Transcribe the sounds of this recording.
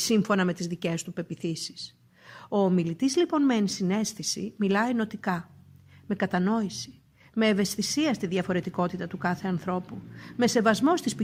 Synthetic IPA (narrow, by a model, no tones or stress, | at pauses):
siɱfo̞nɐme̞t̪izðice̞st̪upe̞piθisi̥s | o̞ːmilit̪izlipo̞nmeːnsine̞sθisḭmilɐino̞t̪ikɐme̞kɐt̪ɐno̞isi̥ | me̞ːve̞sθisiɐst̪iðʝɐfo̞ɾe̞t̪iko̞t̪it̪ɐt̪ukɐθe̞ɐnθɾo̞pume̞se̞vɐzmo̞st̪ispi